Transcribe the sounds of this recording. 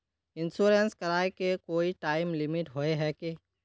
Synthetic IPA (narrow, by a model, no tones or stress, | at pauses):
ɪnsuːɾenskɐɾaːekekoːiʈaːɪmlɪmɪʈɦoeɦɛke